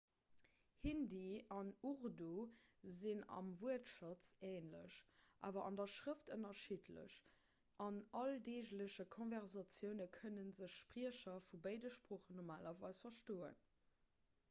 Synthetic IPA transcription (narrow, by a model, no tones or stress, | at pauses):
hindiɑnuʁduzinɑ̰mvuətʃɑt͡seːnlə̰ɕʔa̰ːvɐʔɑ̰ndɐʃʁəftənɐʃitʰlə̰ɕ | ʔɑnɑldeːʑləɕəkʰonvɛʁzɑt͡sjəʊnəkʰənənzəɕʃpʁiəɕɐfubəɪdəʃpʁoːχənɔmaːlɐvɑɪsfɐʃtoːə̰n